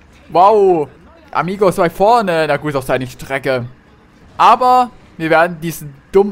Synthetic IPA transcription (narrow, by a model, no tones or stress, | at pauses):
waʊ | ʔa̰miːɡoɪsv̥aɪfɔɐnənaɡuːtaʊfd̥aɪnəʃtʁ̥ɛkə | ʔaːbɐ | viːɐveːɐdn̩diːzn̩d̥ʊm